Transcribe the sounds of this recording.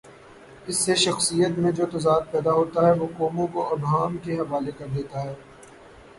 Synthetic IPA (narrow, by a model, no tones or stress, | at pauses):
ɪsːeʃɐxsijət̪mẽd͡ʒoːt̪ɐzaːd̪̚pɛːd̪aɦoːt̪aɦɛʋoːkɔːmõkoɐɾɖaːmkeɦɐʋaːlekɐɾd̪eːt̪aɦɛː